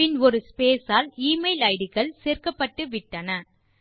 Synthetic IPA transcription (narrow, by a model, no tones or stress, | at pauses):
ɪnɔɾɯspeːsaːliːmɐɪlɐɪɽɯɣɐɭseːrkɐpːɐʈːɯʋɪʈːɐnɐ